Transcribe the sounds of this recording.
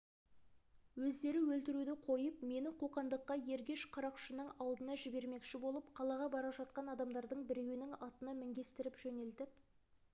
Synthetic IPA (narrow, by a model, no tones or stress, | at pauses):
wɵzd̪e̞ɾɪwɵlt̪ɪɾud̪ɪqʰo̞jəpme̞nɪqʰuqɑnd̪əqːɑje̞ɾɡʲe̞ʃqʰɑɾɑqʃənəɴɑlˠd̪ənɑʒɪbe̞ɾme̞kʃɪbo̞lˠəpqʰɑlˠɑʁɑbɑɾɑʒɑt̪̚qɑnɑd̪ɑmd̪ɑɾd̪əɴbɪɾewɪnɪŋɑt̪ənɑmɪŋɡʲe̞st̪ɪɾɪpʒ̥ɵne̞lt̪ɪp̚